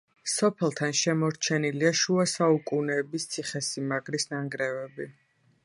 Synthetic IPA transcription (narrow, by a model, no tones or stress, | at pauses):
sɔpʰɛlˠt̪ʰanʃɛmɔɾt͡ʃʰɛniliaʃuasaukʼunɛːbist̪sʰiχɛsimaɡɾisnaŋɡɾɛvɛbi